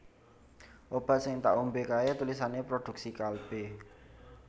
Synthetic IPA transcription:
ʔob̥a̤sɪŋt̪aʔumbekaet̪ulis̬anepɾod̪̥ṳksikalb̥e

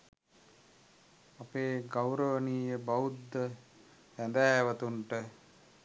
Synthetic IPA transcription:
apeːɡawɾəʋəniːjəbaud̪ːə | ʋænd̪æːʋat̪uɳʈə

